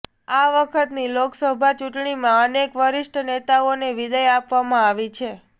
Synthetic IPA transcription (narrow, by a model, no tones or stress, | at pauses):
aʋəkʰət̪niloksəbʱat͡ʃuʈɳimãənekʋəɾɪʃʈʰənet̪aoneʋid̪əjapʋamãaʋit͡ʃʰe